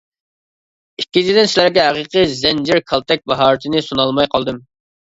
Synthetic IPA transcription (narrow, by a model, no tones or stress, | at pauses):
ikʲːit͡ʃʰid̪ɪnsɪlæɾɡʲɛɦæqəqɨzɛnd͡ʒɪɾkʰɑlˠt̪ʰɛk̚ʲbɑɦɑːɾɨt̪ʰɪnɪsunɑlˠmɑjqʰɑlˠd̪ɨm